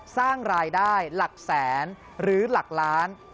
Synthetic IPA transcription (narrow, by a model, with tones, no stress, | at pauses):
saː˥˩ŋɾaː˧jdaː˥˩jla˨˩k̚sɛː˩˦n | ɾɯː˩˦la˨˩k̚laː˦˥n